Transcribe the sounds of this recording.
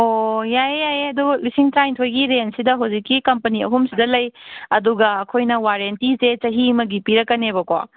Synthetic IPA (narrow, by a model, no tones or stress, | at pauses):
ojajjajeɐdulisiŋtɾajntʰojɡiɾensidɐɦɐwzikːikɐmpɐniɐ̰ɦumsidɐlɐjɐduɡɐɐkʰojnɐwaɾentiset͡ʃɐɦimɐɡipiɾɐkːɐnebɐkwa̰